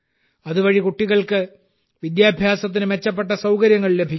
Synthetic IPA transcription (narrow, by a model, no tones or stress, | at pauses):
ɐðuʋɐɻikuʈːiɣɐɭkɨ | ʋid̪jaːbʱjaːsɐt̪̬ːinɨme̞t͡ɕːɐpːe̞ʈːɐsɐwkɐɾjɐŋːɐɭle̞bʱikː